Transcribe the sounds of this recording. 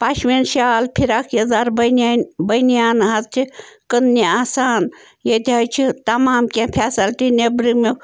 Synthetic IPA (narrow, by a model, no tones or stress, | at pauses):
paːʃmenʃaːlpʰiɾaːkʰezaːɾbɐnanbɐjnijaːnɦazt͡ʃʰikənniaːsaːn | jed̪ʱaːjt͡ʃʰit̪ɐmaːmkʲẽpʰɛːsɐlʈ̪inebɾime